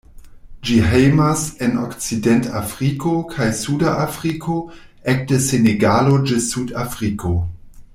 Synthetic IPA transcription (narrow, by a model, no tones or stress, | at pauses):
d͡ʒiɦejmaseno̰kt͡sidentafʁikokʰajsudaʔafʁikʰo | ek̚deseneɡalod͡ʒesudafʁikʰo